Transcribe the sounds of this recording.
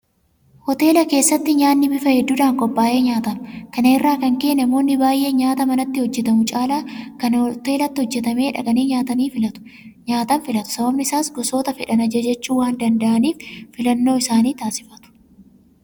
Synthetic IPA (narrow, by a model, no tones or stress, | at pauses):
hɔt̪e̞ːlɐke̞ːsːɐt̪ːɪɲaːnːɪbɪfɐhɛd̪ːuːᶑ̪aːŋkʼɔpːaːʔeːɲaːt̪ɐnkɐneːrːaːkɐŋke̞ːnɛɐmoːnːɪbaːjʔe̞ːɲaːt̪ɐmɐnɐt̪ːɪhɔd͡ʒːɛt̪ɐmʊt͡ʃʼaːlaːkɐnt̪e̞ːlɐt̪ːɪhɔd͡ʒːɛt̪ɐmeːᶑɐ̰kʼɐniːɲaːt̪ɐniːfɐt̪ʊ̥ | ɲaːt̪ɐnfɪlɐt̪ʊ̥sɐbɐbnɪɪsaːsɡɔso̞ːt̪ɐfɛᶑɐnɐd͡ʒɐd͡ʒɛt͡ʃːuːwaːnd̪ɐnd̪ɐʔɐniːffɪlɐnːo̞ːɪsaːniːt̪aːsɪ̥fɐt̪ʊ̥